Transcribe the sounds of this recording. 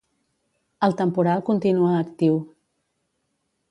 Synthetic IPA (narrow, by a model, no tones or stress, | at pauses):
əlˠt̪əmpuɾalˠkunt̪inuəːkt̪iw